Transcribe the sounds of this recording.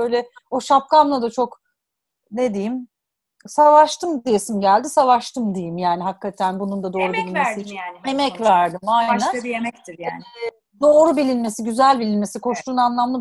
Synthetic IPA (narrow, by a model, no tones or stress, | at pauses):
ø̞jlʲɛ | oʃap̚kamlˠad̪at͡ʃʰo̞k | ne̞d̪ejim | savaʃt̪ʰɯmd̪ije̞simɟælʲd̪isavaʃt̪ʰɯmd̪ejimjaːniɦakːat̪ʰænbunund̪ad̪o̞ːɾubillʲinmesijemɛcvæɾd̪ɯmajnænemɛkt̪ɪj | d̪o̞ːɾubilʲinme̞siɟyzælʲbilʲinme̞sikʰo̞ʃlˠuːnanlˠamlˠa